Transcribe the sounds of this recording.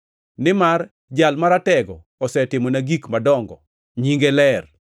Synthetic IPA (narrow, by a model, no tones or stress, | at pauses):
nɪmar | d͡ʒalmaɾatɛɡɔ̰ | ɔsɛtɪmɔnaɡikmadɔŋɡɔ | ɲiŋɡɛlɛr